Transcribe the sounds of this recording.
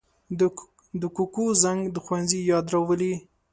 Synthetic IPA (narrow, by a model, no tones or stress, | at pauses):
d̪əkukozaŋɡd̪əxwanzijɑd̪ɾawəli